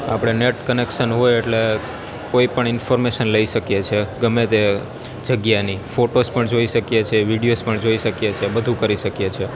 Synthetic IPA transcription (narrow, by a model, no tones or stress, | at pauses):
a̰pɽ̃eneʈkənekʃənɦojeʈle | koipəɳɪnfoɾmeʃənləiʃəkjet͡ʃʰeɡəmet̪e | d͡ʒəɡjanifoʈospəɳd͡ʒoiʃəkjet͡ʃʰeʋiɽijospəɳd͡ʒoiʃəkjet͡ʃʰebəd̪ʱũkəɾiʃəkjet͡ʃʰe